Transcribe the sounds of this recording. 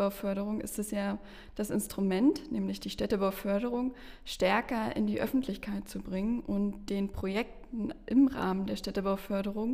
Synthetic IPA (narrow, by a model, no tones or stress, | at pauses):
aʊfœɐɾəʁ̞ʊŋʔɪ̰stɛsjaː | d̥asɪnstʁ̥umɛntnɛːmlɪçd̥iːʃtɛtəbaʊfœɐɾəʁʊŋʃtɛɐkɐʔɪ̰ndiːʔœ̰fn̩tʰlɪçkʰaɪt̚t͡subʁɪŋənʔʊntd̥eːnpʁ̥ojɛk̚tn̩ʔɪmʁa̰ːməndeːɐʃtɛtəbaʊfœɐɾəʁʊŋ